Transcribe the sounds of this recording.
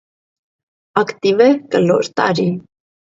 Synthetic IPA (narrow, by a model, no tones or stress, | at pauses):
ɑkt̪ivɛkəlɔ̰ɾt̪ɑ̰ɾi